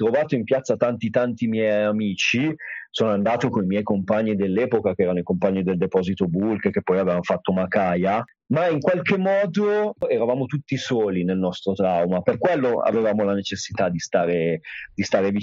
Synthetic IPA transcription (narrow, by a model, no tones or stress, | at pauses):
t̪ɾovaːt̪oimpjat̪sːat̪ant̪it̪ant̪imjɛjamiːt͡ʃisoːnoand̪aːt̪okonimjɛjkompaɲːid̪elːɛːpokakeɛːɾanoikompaɲːid̪eld̪epɔːzit̪obulkekepːɔjavevanofat̪ːomakaːja | maiŋkwalkemːɔːd̪oɛɾavaːmot̪ut̪ːisoːlinelnɔst̪ɾot̪ɾawmaperkwelːoa̰vevaːmolanet͡ʃesːit̪ad̪ist̪aːɾed̪̥ist̪aːɾevi